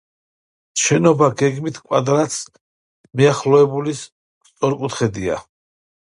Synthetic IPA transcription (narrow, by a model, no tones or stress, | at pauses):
ʃɛnɔbaɡɛɡmit̪ʰkʼwad̪ɾat̪s | miaχlɔɛbulis | t̪sʼɔɾkʼut̪ʰχɛd̪ia̰